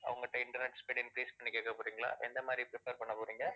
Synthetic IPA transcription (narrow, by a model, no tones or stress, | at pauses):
ɐ̰ʋɐŋɡɐʈːɐɪɳʈɐɾnɛʈːspeːɽɪnkɾiːspɐɳːɪkːeːkːɐpoːɾiːŋɡɐɭa̰ːʔɛ̰nd̪ɐmaːd̪ɾipɪɾɪpeːɾpɐɳːɐpoːɾiːŋɡɐ